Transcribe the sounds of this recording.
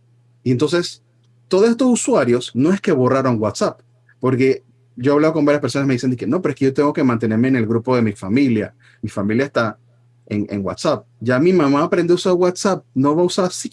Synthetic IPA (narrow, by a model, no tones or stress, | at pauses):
ient̪o̞ns̬e̞s | t̪oðosest̪osuswaɾjo̞sno̞e̞ske̞βo̞raɾoŋwat̪sapː | o̞ɾke̞ | ɟ͡ʝoaβlaðoko̞mbaɾjaspeɾso̞nasmeisnd̪ikeno̞p̬eɾoekeʝo̞t̪e̞ŋɡo̞ke̞mãnt̪e̞ne̞ɾme̞ːne̞lɣɾupo̞ðe̞mifamilja̰ | mifamiljaest̪a | eŋḛŋɡwa̰t̪sap̚ɟ͡ʝamimãmaːpɾend̪ousaɾwat̪sap̚no̞βausaɾasi